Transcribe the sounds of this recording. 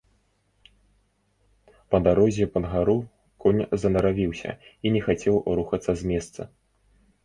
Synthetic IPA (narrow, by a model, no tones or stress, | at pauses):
pɐd̪aɾɔzʲɛpɐnɣaɾu | kʰɔnʲzɐnɐɾavʲiwsʲɐ̰inʲɛxat͡sʲɛwɾuxɐt̪sːɐzʲmʲɛst̪sɐ